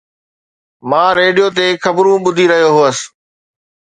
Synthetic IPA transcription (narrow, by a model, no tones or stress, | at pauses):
mãːɾeːɖijot̪̬eːxʰɐbɾũɓʊd̪ʱiɾɐɦjoɦəs